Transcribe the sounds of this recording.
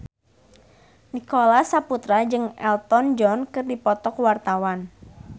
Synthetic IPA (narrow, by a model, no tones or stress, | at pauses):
nikolasaput̪ɾad͡ʒɨŋɛlt̪ɔnd͡ʒɔnkɨrdipɔt̪ɔkwart̪awan